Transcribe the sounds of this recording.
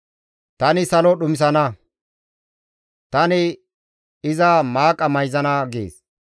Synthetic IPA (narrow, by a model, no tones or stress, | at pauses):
t̪ɐnɪsɐlɔɗʊmɪs̬ɐnɐ | t̪ɐnɪ | ɪzɐmaːkʼːɐmɐjzɐnɐɡḛːs